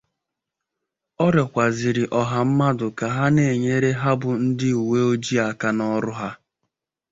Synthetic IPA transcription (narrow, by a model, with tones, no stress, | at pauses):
ɔ˦ɾɔ˨kʷa˨zi˨ɾi˨ʔɔ˨ɦa˨m̩˦ma˦dʊ˨ka˨ɦa˦ne˨e˨ɲe˦ɾe˦ɦa˦bʊ˨n̩˦dɪ˦u˨we˦o˦d͡ʒi˦a˨ka˦nɔ˦ɾʊ˦ɦa˦